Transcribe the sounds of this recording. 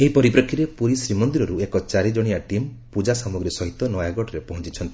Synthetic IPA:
eɦipɔɾipɾɔkʰːiɾepuɾisɾimɔnd̪iɾɔɾuekɔt͡ʃaɾed͡ʒɔɽ̃iaʈimpud͡ʒasamɔɡɾisɔɦit̪ːɔnɔjaɡɔʈɔɾepɔɦɔ̃t͡ʃi̥t͡ʃʰɔnt̪i

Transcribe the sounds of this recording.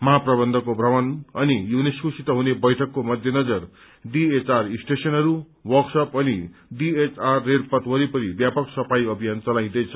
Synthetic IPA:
mʌɦaprʌbʌnd̪ʱʌkobʱrʌmʌnʌnijuneskusit̪ʌɦunebʌjʈʰʌkːomʌd̪ʱjʌnʌd͡zʌr | ɖiet͡sarisʈesʌnʌɾu | wʌrksʌpʌniɖiet͡sarːeɖpʌt̪wʌɾipʌɾibjapʌksʌpajʌbʱijant͡sʌlaĩd̪ʌjt͡sʰʌ

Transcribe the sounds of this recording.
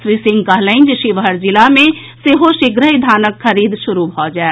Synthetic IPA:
sɾisɪ̃ŋɡkɐɦləɪ̃nd͡ʒɪʃiʋɦəɾd͡ʒɪlamẽ | seɦoʃɪɡɾəid̪ʱaːnəkxɐɾiːd̪ʃʊɾubʱɔːd͡ʒaɛ

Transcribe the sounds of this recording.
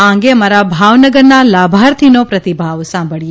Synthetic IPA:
ãŋɡemaɾabʱaʋnəɡəɾnalabʱaɾt̪ʰinopɾət̪ibʱaʋsãmbʱəɭje

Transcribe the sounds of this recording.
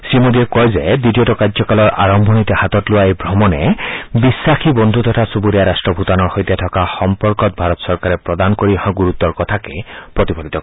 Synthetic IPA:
simod̪iekɔjzed̪iʈiɔʈɔkad͡ʒɔkalɔɾʔaɾɔmbʱɔnit̪ehat̪ɔt̪luaebʱɾɔmɔnḛbisːakʰibɔnd̪ʱut̪ʰɔtʰasubuɾijaɾasʈɾɔbʱut̪anɔɾhɔjt̪jat̪ʰɔkaxɔmpɔɾkɔt̪̚bʱaɾɔt̪sɔɾkaɾepɾɔd̪anɔkɔɾiɔhaɡuɾut̪ːɔɾkɔt̪ʰakepɾɔt̪ipɔlit̪ɔ

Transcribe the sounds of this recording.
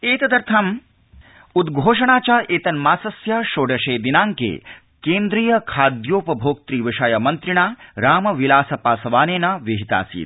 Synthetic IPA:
eːt̪ɐd̪ɐɾt̪ʰɐm | ud̪ɡʱoːʂɐɳaːt͡ʃɐeːt̪ɐnmaːsɐsjɐʃoːɖɐʃeːd̪inaːŋkḛː | keːnd̪ɾijɐkʰaːd̪joːpɐbʱoːk̚t̪ɾiːʋiʂɐjɐmɐnt̪ɾiɳaːɾaːmɐʋilaːsɐpaːsɐʋaːneːnaʋiɦit̪a̰ːsḭːd̪

